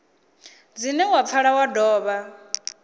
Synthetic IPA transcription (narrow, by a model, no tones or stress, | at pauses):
d͡zinɛwap̪fʰaɺawadɔːβa